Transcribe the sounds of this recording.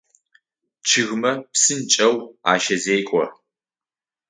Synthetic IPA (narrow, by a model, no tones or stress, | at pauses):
t͡ʃʰɨɣmɐpsɨnt͡ʃʼɐwa̰ːʃɐzeːkʷʼɔ